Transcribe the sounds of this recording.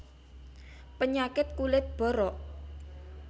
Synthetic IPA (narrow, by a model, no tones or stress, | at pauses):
pəɲakɪt̪̚kulɪt̪̚b̥ɔ̤ɾɔʔ